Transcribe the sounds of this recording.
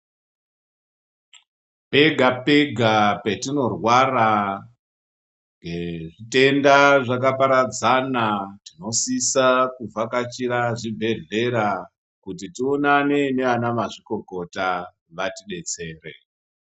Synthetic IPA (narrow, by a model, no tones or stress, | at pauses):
pe̞ɡʱapeɡʱapetino̞rwara | ŋɡeʐite̞ndaʐakapaɾad͡zanatino̞sisakuvakat͡ʃiɾaʐibʱe̞ɮe̞ɾa | kutitionanene̞ʋanamaʐiko̞ko̞ta | ʋatiɗe̞t͡se̞ːrḛ